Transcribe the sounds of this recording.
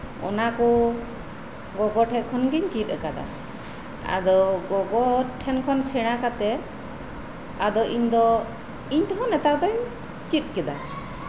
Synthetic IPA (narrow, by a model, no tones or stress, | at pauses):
ɔ̰nakɔ | ɡɔɡɔʈʰɛt̪̚kʰɔnɡiɲt͡ʃit̪̚ˀəkad̪a̰ | a̰d̪ɔɡɔɡɔʈʰɛnkʰɔnsɛɽ̃akat̪ɛ | ad̪ɔʔiɲd̪ɔ | iɲt̪ɔɦɔnɛt̪ak̚d̪ɔɲ | t͡ʃit̪̚ˀkɛd̪a